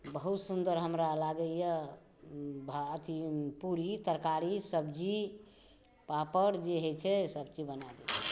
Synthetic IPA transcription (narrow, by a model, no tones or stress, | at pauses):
bəɦut̪sund̪əɾɦəmɾalaɡəijə | bʱaət̪ʰipuɾit̪əɾkaɾisəbd͡ʒi | papəɾd͡ʒeɦet͡ʃʰɛsəb̚d͡ʒibənad̪i